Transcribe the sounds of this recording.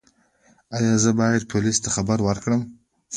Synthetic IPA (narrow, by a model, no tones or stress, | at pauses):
ajazɨbaːjad̪̚pʰolist̪ʰaχabaɾwaɾkɽəm